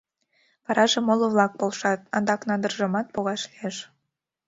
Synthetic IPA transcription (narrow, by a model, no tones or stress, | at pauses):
βɑɾʔɑʒemoloβlɑk̚polʃɑt̪̚ɑnd̪ɑknɑnd̪ərʒəmɑt̪̚poɣɑʃlieʃ